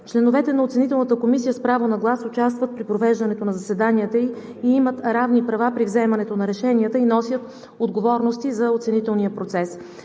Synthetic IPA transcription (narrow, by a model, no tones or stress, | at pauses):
t͡ʃlɛnovɛt̪ɛnɐot̪sɛnit̪ɛlˠnət̪əkomisijəspɾavonɐɡlˠasot͡ʃast̪vət̪̚pɾipɾovɛʒd̪ɐnɛt̪onɐzɐsɛd̪aniət̪əi | iimət̪ɾavnipɾɐvapɾivzɛmɐnɛt̪onɐɾɛʃɛniət̪əinɔsʲjət̪ | od̪ɡovɔɾnost̪izɐot̪sɛnit̪ɛlˠnijəpɾot̪sɛs